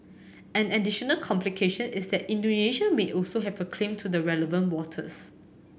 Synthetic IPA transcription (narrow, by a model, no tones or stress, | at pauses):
ɛ̃nɛdiʃɔnəlkʰɔ̃mplikʰeʃə̃nɪsdɛtĩndoneʃameʔɔlsoɦɛvəkʰlẽmtʰudəɹɛləvə̃ntwɔtʰə̰s